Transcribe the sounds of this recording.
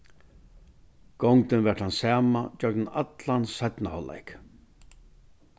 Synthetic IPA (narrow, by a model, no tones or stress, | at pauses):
ɡ̥ɔŋkɪnvɛʈhansaːmad͡ʒœɡ̚nnat̪lansœt̪nahɔlːa̰jk